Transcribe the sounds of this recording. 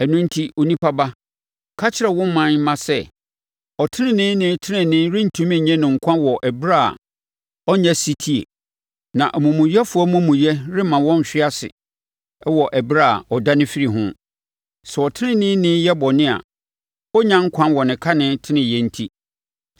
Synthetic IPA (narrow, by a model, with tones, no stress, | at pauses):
ɛ˨nʊ̃˦n̩˦tʰi˦ʔo˦nĩ˦pʰa˦ba˦ | kʰa˦t͡ɕʰɪ˦ɾɛ˨wɔ̃˦m˦mã˦n˦mã˨sɛ˦ | ɔ˨tʰɪ˦nɪ̃˦nɪ̃˦nɪ̃˦tʰɪ˦nɪ̃˨nɪ̃˦ɾɪ˦n̩˨tʰũ˦mɪ̃˦˨ɲɛ̃˦nʊ̃˨ŋ̩˨kʷʰã˦wɔ˨ʔæ˨bɾa̰˦˨ | ɔ˦ɲɛ̃˦si˦tʰi˦ḛ˨ | nã˨ʔmʊ̃˨mʊ̃˨jɛ˦fʊ˦ɔ˦mʊ̃˦mũ˨jɛ˦ɾɪ˦mã˨wɔ̃˦n˨ɕᶣɪ˦a˦sɪ̰˨ | ɛ˦wɔ˨ʔɛ˨bɾa̰˦˨ɔ˨da˦nɪ̃˦fi˦ɾi˨ɦʊ̰̃˦ | sɛ˨ɔ˨tʰɪ˦nɪ̃˦nɪ̃˦nɪ̃˦jɛ˦bɔ˨nɪ̃˦a̰˨ | ɔ˦ɲã˦ŋ̩˦kʷʰã˦nwɔ˨nɪ̃˨kʰa˦nɪ̃˨˦tʰɪ˦nɪ̃˨jɛ˦n̩˦tʰi˦